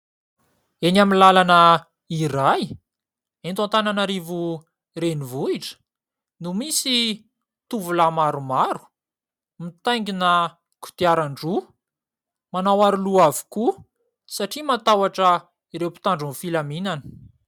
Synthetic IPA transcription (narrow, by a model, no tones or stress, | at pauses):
enaminlalanə | iɾaj | ent̪ant̪ananaɾivu | ɾenivuiʈ͡ʂə̥ | numisi | t̪uvulamaɾumaɾu̥ | mit̪ajŋɡinə | ku̥t̪iaɾaɳɖ͡ʐu | manawaɾuluavu̥ku | saʈ͡ʂimat̪awaʈ͡ʂə | iɾewpi̥t̪aɳɖ͡ʐunfilaminanə̥